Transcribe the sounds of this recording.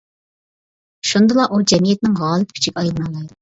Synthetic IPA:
ʃund̪ɨlˠɑʔud͡ʒɛmijɛt̪nɪŋɦɑːlˠɪp̪kʰʲy̥t͡ʃʰikʲɑjlˠnɑlˠɑjd̪u

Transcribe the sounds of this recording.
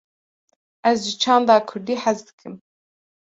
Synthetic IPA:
ʔæzʒɪt͡ʃʰɑːnd̪ɑːkʰʊɾd̪iːħazd̪ɨ̥kʰɨm

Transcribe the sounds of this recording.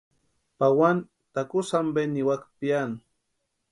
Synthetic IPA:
pawan | t̪akusambeniwakpian

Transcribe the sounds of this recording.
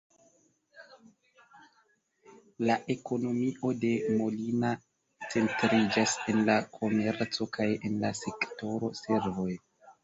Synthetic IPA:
laʔe̞ko̞no̞miʔo̞de̞mo̞lina | t͡se̞ntɾid͡ʒase̞nlakʰo̞me̞ɾt͡so̞kaje̞nlase̞kto̞ɾo̞se̞ɾvo̞j

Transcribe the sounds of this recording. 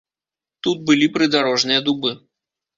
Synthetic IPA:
t̪ut̪̚bɨlʲipɾɨd̪aɾɔʐnɨjɐd̪ubɨ

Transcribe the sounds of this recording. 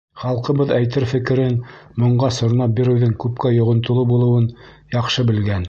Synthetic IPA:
χɑlˠqɤ̆bɤðæjt̪ɘɾfɘ̆kɘ̆ɾɘnmŏɴɢɑsŏɾ̆nɑp̚biɾɘ̆wðɘŋkʉp̚kæjŏʁŏnt̪ŏlˠɤbulˠɤ̆wɤn | jɑqʃɤbɘ̆lɡæn

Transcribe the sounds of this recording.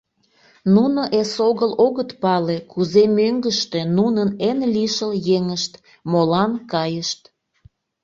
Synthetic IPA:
nunoʔesoɣəloɣət̪pɑlekuzemøŋɡəʃt̪enunənenliʃəljeŋəʃt̪ | molɑnkɑjəʃt̪

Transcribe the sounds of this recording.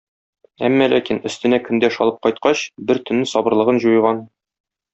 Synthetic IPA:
æmːælækinɵ̆st̪ɘ̆nækɵ̆nd̪æʃɒlˠɤp̚qɒjt̪qɑɕbɘɾt̪ɵ̆nːɘsɒbɤ̆ɾlˠɤ̆ʁɤnʑujɤʁɑn

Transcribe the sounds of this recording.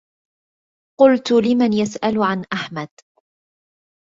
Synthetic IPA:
qʊlt̪ʊlɪmanjasʔalʕanʔaħmad̪̥

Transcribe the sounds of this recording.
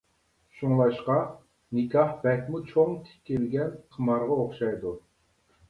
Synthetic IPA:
ʃuŋlˠɑʃqɑ | nɨkʲʰɑhbɛkʲmut͡ʃʰoŋt̪ʰɪ̥kʲːelɡʲɛnqʰəmɑɾʁɑoχʃɑjd̪u

